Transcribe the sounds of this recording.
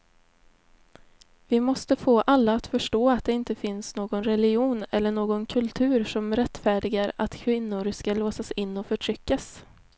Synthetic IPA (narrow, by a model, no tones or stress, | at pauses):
vɪmɔst̪əfoːʔalːaːt̪fœʂʈoːat̪̚d̪ɛɪnt̪əfɪnsnoːɡɔnɾɛlɪuːnɛlːəɳoːɡɔnkʰɵlt̪ʰʉ̟ːɾʂɔmɾɛt̪ːfæːɖɪɡaɾa̰t̪kʰvɪnːʊɾskaloːsasɪnːɔfœʈʰɾʏkːas